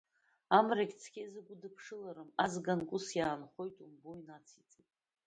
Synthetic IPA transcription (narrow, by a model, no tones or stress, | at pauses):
amrakʲʼt͡sʰkʲʰʼezɨɡʷʊdɨpʰʂɨlaɾɨmazɡankʷʼʊsjaːnχo̞jtʼumboinat͡sʰit͡sʼitʼ